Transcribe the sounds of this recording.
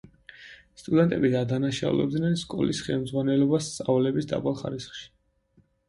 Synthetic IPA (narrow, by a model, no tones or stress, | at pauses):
st̪ʼud̪ɛnt̪ʼɛbid̪ad̪anaʃa̰ṵlɛ̰b̚d̪nɛnskʼɔ̰lisχɛlˠmd̪zʁwanɛlɔbassʼavlɛbisd̪a̰balˠχa̰ɾisχʃi̥